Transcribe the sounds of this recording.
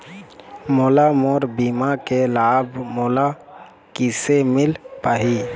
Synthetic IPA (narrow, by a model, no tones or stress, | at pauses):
molamɔːɾbiːmakelaːbʱmoːla | kisemɪlpaːɦi